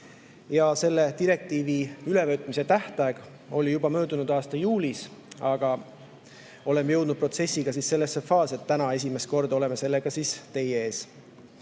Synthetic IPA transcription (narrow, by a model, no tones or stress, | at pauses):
jɑse̞lːe̞t̪iɾe̞k̚t̪iːviylevøt̪ːˑmise̞t̪æht̪ɑeɡ̥ | o̞lijub̥ɑmø̞ːd̪unud̪ɑːst̪ɑjuːlʲisɑɡ̥ɑ | o̞le̞meje̞wd̪̥nud̪̥̚pro̞t̪se̞sʲːiɡ̥ɑsiːsːe̞lːesːe̞fɑːset̪ːænɑe̞s̬ʲime̞st̪ko̞rd̪o̞le̞me̞se̞lːeɡ̥ɑsiːst̪e̞jeeːs